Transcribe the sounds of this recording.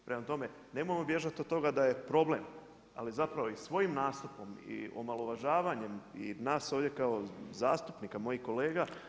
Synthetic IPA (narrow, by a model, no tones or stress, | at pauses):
pɾʔemat̪o̞me̞ | ne̞mojemo̞bje̞ʒat̪od̪t̪ːo̞ɡad̪aje̞pɾo̞ble̞m | a̰lizapɾaʋo̞isʋo̞jimnaːst̪upo̞mḭo̰malˠo̞ʋaʒaːʋaɲe̞mḭnaːsoʋdje̞kao̞zaːst̪upnikamo̞jiko̞le̞ːɡa